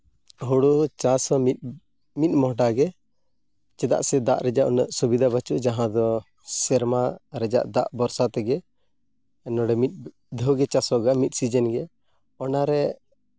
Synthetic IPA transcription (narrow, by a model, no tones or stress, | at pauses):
ɦuɽut͡ʃasɔmit̪̚ | mit̪̚ˀmɔɦɖaɡɛ | t͡ʃɛd̪a̰ʔsɛd̪a̰ʔɾɛd͡ʒa̰ʔɔnaʔsubid̪ʱabat͡ʃuʔd͡ʒaɦãd̪ɔ | sɛɾmaɾɛd͡ʒa̰ʔd̪a̰ʔbɔɾsat̪ɛɡɛ | nɔɽɛmit̪̚ˀ | d̪ʱɔɡɛt͡ʃasɔɡamit̪̚sid͡ʒɛnɡɛ | ɔnaɾɛ